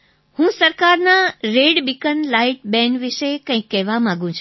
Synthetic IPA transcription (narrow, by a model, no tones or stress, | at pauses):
hũsəɾkaɾnaɾeɽbikənlaiʈ̚bɛnʋɪʃekə̃j̃kːɛʋamãɡũt͡ʃʰu